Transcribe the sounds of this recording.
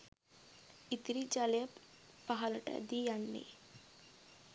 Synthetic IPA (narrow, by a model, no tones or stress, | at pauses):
it̪ɾid͡ʒaːljɐpː | ɐɦɐlɐʈɐ̰d̪ijaɳːḭ